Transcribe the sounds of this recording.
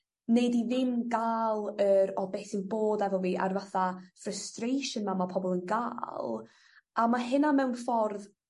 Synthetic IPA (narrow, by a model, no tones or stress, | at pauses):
nejdiðɪmɡaːlˠəɾɔbesinboːdɛvɔlˠviːʔa̰rvaθafrəstrejʃənmamapʰɔbɔlˠənɡa̰ːlˠ | amaɦɨnamɛwnfɔrð